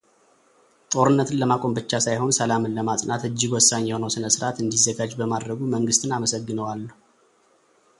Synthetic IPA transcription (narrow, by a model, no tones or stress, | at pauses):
t̪ʼo̞ɾɨnːət̪ʰɨnləmakʼo̞mbɨt͡ʃːasajho̞nsəlamɨnləmat̪ʼnat̪ɨd͡ʒːɪɡwɔsːaɲːəwnəwsɨnəsɨɾʔat̪ɨnd̪izːəɡad͡ʒbəmad̪ɾəɡuməŋɡɨst̪ʰɨnaməsəɡːɨnəwalː